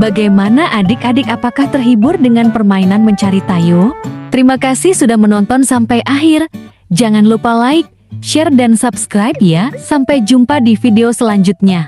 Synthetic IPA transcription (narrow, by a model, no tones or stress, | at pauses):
baɡajmanaʔadɪkadɪkapakaht̪ərɦibʊrdəŋanpərmainanməɲt͡ʃaɾit̪ajot̪əɾimakasɪhsudahmənɔnt̪ɔnsampajʔaɦɪr | d͡ʒaŋanlupalaɪk̚ | ʃɛrdansubskɾajp̚jasampajd͡ʒumpadifideosəlaɲd͡ʒʊt̪̚ɲa